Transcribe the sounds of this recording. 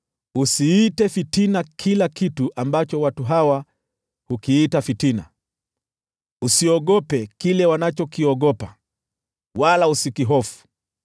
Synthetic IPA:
usiːtɛfitinakʰilakituʔambat͡ʃɔwatuɦawa | hukiːtafitina̰ | usiɔɠɔpɛkilɛwanat͡ʃɔkiɔɠɔpa | walausikiɦɔfu̥

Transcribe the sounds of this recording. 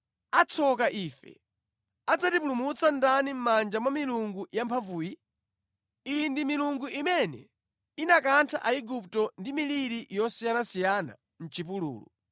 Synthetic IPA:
at͡sʰɔkaʔiːfɛ̰ | ad͡zatip̬ulumut͡sandanim̩mand͡ʒamwamiluŋɡujampʰavuːji | indimiluŋɡuʔimɛnɛ | inakantʰaʔaiɡuptɔndimiliɾiʔjɔsijanasijana̰ | n̩t͡ʃipulṵːlṵ

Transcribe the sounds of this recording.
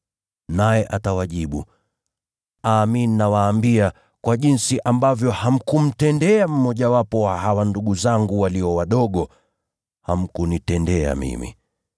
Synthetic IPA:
najɛʔatawaʄiɓṵ | aːmininawaːmbia | kwaʄinsiʔambavjɔham̩kum̩tɛndɛam̩mɔʄawapɔwahawanduɠuzaŋɡuwaliɔwaɗɔɠɔ | ham̩kunitɛndɛa̰mḭmḭ

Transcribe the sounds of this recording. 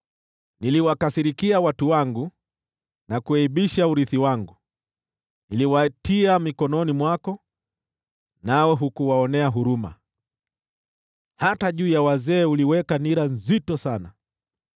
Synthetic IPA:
niliwakasiɾikiawatuwaŋɡu | nakuɛiɓiʃauɾiθiwaŋɡu | niliwatiamikɔnɔnimwakɔ | nawɛɦukuwaɔnɛaɦuɾuma̰ | hataʄuːjawazɛːuliwɛkaniɾanzitɔsana

